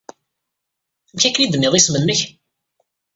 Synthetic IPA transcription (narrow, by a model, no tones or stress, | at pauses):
mçækːənid̪ənːɪðˤismənːəç